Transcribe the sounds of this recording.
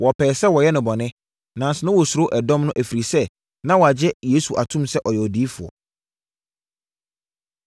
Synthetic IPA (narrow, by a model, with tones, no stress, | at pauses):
wɔ˨pʰɛː˨sɛ˦wɔ˨jɛ˦nʊ̃˨bɔ˨nɪ̃˦ | nã˨n̩˨sɪ˨nʊ̃˦wɔ˨su˨ɾo˦ʔɛ˨dɔ̃˦mnʊ̃˦ʔæ˨fi˨ɾi˨sɛ˦ | nã˦wɔ˨a˨d͡ʑɛ˦jeː˦su˨ʔa˨tʰũ˦msɛ˦ʔɔ˨jɛ˨ɔ˨diː˦fʊ˨ɔ̰˨